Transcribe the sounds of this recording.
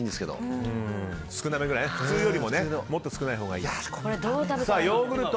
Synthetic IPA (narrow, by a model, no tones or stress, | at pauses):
ĩnd̪e̞sɨ̥ke̞d̪o̰ɯ̃ | sɨ̥kɯ̟name̞ɡɯɾaineɸɯ̟t͡sɨːjo̞ɾʲimo̞ne̞mo̞t̪ːosɨ̥kɯnaiɦo̞ːɡaiːkoɾed̪od̪asaːjoːɡɯ̟ɾɯ̟t̪